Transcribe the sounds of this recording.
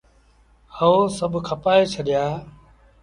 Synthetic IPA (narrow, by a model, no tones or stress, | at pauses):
həosəbʱkʰəpaːeːt͡ʃʰəɗɪjaː